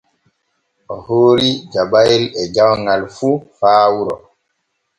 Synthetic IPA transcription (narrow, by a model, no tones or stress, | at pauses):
ɔhoːɾid͡ʒabajilɛd͡ʒawŋalfufaːwuɾɔ